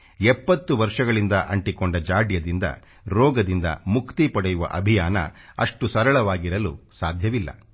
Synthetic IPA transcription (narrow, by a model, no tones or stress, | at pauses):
ɛpːɐt̪ːuʋɐɾʂɐɡɐɭind̪ɐʔɐɳʈikoɳɖɐd͡ʒaːɖjɐd̪ind̪ɐ̰ | ɾɔːɡɐd̪ind̪ɐ̰mukt̪ipɐɽɛjuʋɐ̰ʔɐbʱijaːnɐ̰ɐ̰ʂʈusɐɾɐɭɐʋaːɡiɾɐlṵsaːd̪ʱjɐʋilːɐ̰